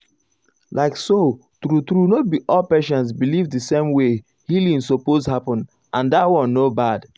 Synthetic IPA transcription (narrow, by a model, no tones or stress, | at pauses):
laɪkso | tɾutɾunot̚biʔɔlpeʃɔ̃ns̬bilivdisẽmwe | hilĩnsopozhapɔ̃n | ʔãndatwɔ̃nːobad̥